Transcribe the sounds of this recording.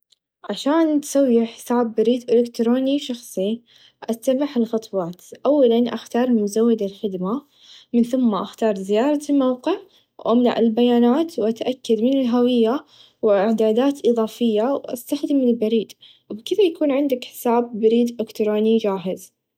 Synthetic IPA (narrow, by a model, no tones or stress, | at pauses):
ʕaʃaːnt̪sawːiħɪ̥saːbːaɾiːd̪ʔɪlɪkt̪ɾoːniʃɑxsˤi | ʔasabaħɪlxɑt̪ˤwɑːt̪ʔawːalanʔa̰xt̪ɑːɾˤmɪmzawːɪd̪ɪlxɪd̪ma | mɪnθʊmːaʔaxt̪ɑːɾˤzɪjɑːɾˤɑlmawqɪʕ | wʔamna̰ʕɪ̰lbajaːnaːt̪wʔat̪ʔakːad̪mɪnɪlɦawɪjːa | wɪʕd̪aːd̪aːt̪ʔɨðˤɑːfɪjːawʔa̰st̪axd̪ɪmɪlbaɾiːd̪ | wbkɪðajakuːnʕɪnd̪akħɪ̥saːbːaɾiːd̪ʔɪkt̪ɾoːnid͡ʒaːɦɪz